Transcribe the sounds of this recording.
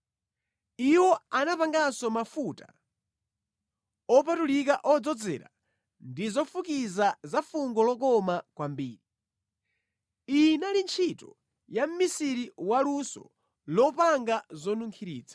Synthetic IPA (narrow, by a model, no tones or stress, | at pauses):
iwɔanapaŋɡasɔmafuta | ɔpatulikaʔɔd͡zɔd͡zɛ̰ːɾa̰ | ndizɔfukizazafuŋɡɔlɔk̬ɔmakwambiːɾi | inalint͡ʃʰitɔ̰ | jam̩misiɾiwalusɔ̰ | lɔpaŋɡazɔnuŋkʰiɾḭːt͡sḁ